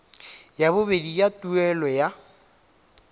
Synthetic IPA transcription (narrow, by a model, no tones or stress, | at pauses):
jabʊbedijatʼuɛlɔja